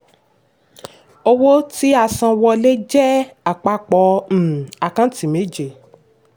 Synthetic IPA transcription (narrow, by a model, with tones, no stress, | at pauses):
o˧wo˦ti˦a˧sã˧wɔ˧le˦d͡ʒɛ˦a˨k͡pa˧k͡pɔ̃˨˧˦a˨kã˦ti˨me˨˦d͡ʒe˨